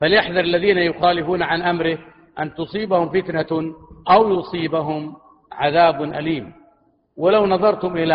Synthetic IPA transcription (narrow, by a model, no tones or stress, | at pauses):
faljaħðɑɾɪlːaðiːnajʊxaːlɪfuːnaʕanʔamɾɪ | ʔant̪ʊsˤiːbahʊmfɪt̪naʔawjʊsˤiːbaɦʊm | ʕaðaːbnʔaliːm | walawnɑðˤɑɾˤt̪ʊmʔɪla